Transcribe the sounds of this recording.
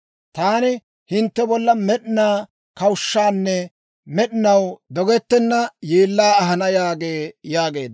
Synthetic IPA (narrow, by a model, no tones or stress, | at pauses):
t̪aːnɪ | hɪnt̪ːɛbɔlːɐmɛɗɪnaː | kɐwʊʃːaːnːɛ | mɛɗɪnɐwd̪ɔɡɛt̪ːɛnːɐjeːlːaːɐɦɐnɐjaːɡeːjaːɡe̞̰ːd̪ɐ